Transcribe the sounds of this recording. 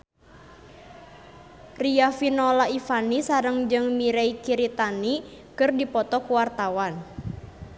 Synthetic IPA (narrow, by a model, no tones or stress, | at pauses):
riafinɔlaifanisaɾəŋd͡ʒɨŋmiɾeikiɾit̪anikɨrdipɔt̪ɔkuwart̪awan